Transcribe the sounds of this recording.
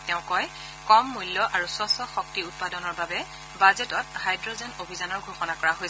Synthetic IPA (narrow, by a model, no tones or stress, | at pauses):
tɛʊ̃kɔj | kɔmːulːɔʔaɹuswɔsɔxɔk̚tiut̚padɔnɔɹbabɛ | bazɛtɔt̚hajdɹozɛnobʱizanɔɹɡʱoxɔnakɔɹaɦojs